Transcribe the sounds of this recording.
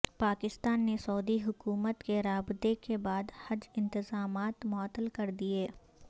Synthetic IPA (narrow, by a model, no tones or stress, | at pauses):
paːkɪst̪aːnːesɔːd̪iɦʊkuːmət̪keɾaːbt̪ekebaːd̪hɐd͡ʒɪ̃nt̪ɪzaːmaːt̪mɔt̪ːəlkɐɾd̪ieː